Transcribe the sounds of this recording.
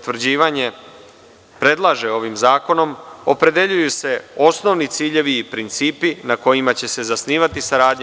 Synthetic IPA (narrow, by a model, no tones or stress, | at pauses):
t̪ʋɾ̩d͡ʑiːʋaɲe̞ | pɾe̞d̪lˠaʒe̞o̞ʋimzaːko̞no̞mo̞pɾe̞d̪e̞ʎujuse̞o̞sno̞ʋnit̪siːʎe̞ʋiːpɾint̪siːpinako̞jimat͡ɕe̞se̞zasniːʋat̪isaɾaːd̪ɲ